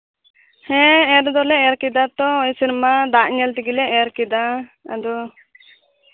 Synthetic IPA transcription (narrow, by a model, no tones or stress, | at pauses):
hɛ̃ɛɾd̪ɔlɛɛɾkid̪at̪ɔɔjsinɛmad̪aʔɲɛlt̪iɡilɛɛɾkid̪aa̰d̪ɔ